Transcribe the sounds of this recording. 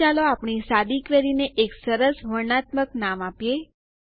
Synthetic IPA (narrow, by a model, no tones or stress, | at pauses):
aloapɳ̃isad̪ikʋeɾineʔeksəɾəsɦəɾnat̪məknamapje